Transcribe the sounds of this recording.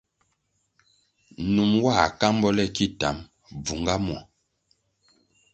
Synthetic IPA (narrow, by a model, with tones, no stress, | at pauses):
nu˨mwa˦˨ka˦m˦bɔ˦lɛ˦˨ki˦˨ta˨˦m | b͡vu˨ŋɡa˦mɔ˨